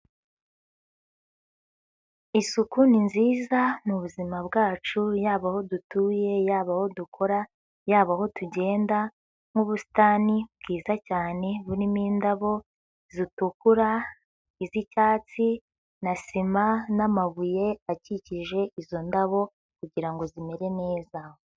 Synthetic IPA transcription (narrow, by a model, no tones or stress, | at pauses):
isukuninziːzanuβuzimabɡaːt͡ʃujaːβaho̞dutuːje̞jaːβaho̞dukʰo̞ɾa | jaːβaho̞tuɟe̞ːnda | ŋ̥ɡuβusi̥taːnibɡiːzacaːne̞βuɾimiːndaβo̞ | zitukuɾa | izicaːt͡si | nasimanamaβuje̞aciciʒe̞izo̞ndaβo̞ | kuɟiɾaŋɡo̞zime̞ɾe̞ne̞ːzaho